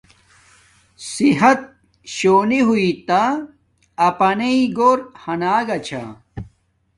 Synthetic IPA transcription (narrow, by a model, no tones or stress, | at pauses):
siɦɐt̪̚ | ɕoːniɦuit̪a | ɐpɐneiɡoːɾhɐnaːɡɐt͡ɕʰa̰